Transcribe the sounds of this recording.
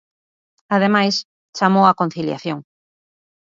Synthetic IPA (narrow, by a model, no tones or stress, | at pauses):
að̞emajs | t͡ʃamowakon̟θilja̰θjoŋ